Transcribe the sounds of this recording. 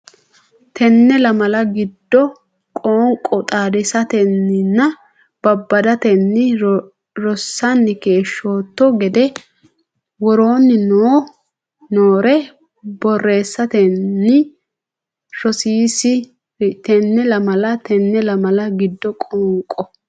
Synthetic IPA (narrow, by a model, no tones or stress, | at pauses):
t̪ɛnːɛlɐmɐlɐɡɪd̪ːɔ | kʼoːŋkʼːɔt̪ʼaːd̪ɛsɐt̪ɛnːɪnːɐ | b̥ɐbːɐd̪ɐt̪ɛnːɪ | ɾɔsːɐnːɪke̞ːʃːoːt̪ːɔɡɛd̪ɛ | wɔɾo̞ːnːɪnoː | noːɾɛ | bɔrːe̞ːsːɐt̪ɛːɪ | ɾɔsiːsɪ | t̪ɛnːɛlɐmɐlɐt̪ɛnːɛlɐmɐlɐɡɪd̪ːɔkʼoːŋkʼːɔ